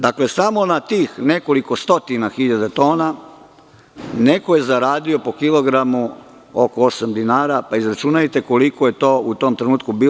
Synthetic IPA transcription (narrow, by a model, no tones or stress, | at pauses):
d̪aklesamo̞nat̪iːxne̞ko̞liko̞st̪o̞t̪inaxiʎad̪et̪o̞ːna | ne̞ko̞je̞zaɾaːd̪io̞po̞kilo̞ɡɾamu | okoosamd̪inaːɾapaizɾat͡ʃunajet̪e̞ko̞likoje̞t̪o̞ːut̪o̞mt̪ɾenuːt̪kubiː